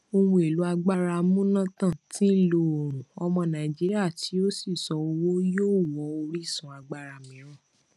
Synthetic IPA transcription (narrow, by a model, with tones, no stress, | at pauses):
o˧wũ˧˦e˨lu˨˦a˧ɡ͡ba˧ɾa˧mũ˦nã˦tã˦˨ti˦˨lo˧o˨ɾ̃ũ˨ɔ˧mɔ̃˧nã˨i˨d͡ʒi˦ɾi˦a˦˨tʰi˨˦o˦si˦˨sɔ˨˦o˧wo˦joː˦˨wɔ˨˦o˧ɾi˦˨sũ˨˦a˧ɡ͡ba˧ɾa˧˨mĩ˨˦ɾ̃ã˦˨